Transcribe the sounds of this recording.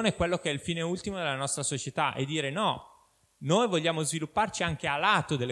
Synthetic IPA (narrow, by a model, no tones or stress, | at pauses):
neɛkwelːokeɛilfiːneult̪imod̪elanɔst̪ɾasot͡ʃet̪aʔḛd̪ːiːɾenɔ | nojvoʎːaːmozvilupːart͡ʃiaŋk̟ealːaːt̪od̪elːe